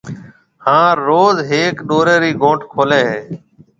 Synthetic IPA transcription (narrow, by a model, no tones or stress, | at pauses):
hãːɾoːzɦeːkɗoːɾeːɾiːɡʱõːʈʰkʰoːleːɦeː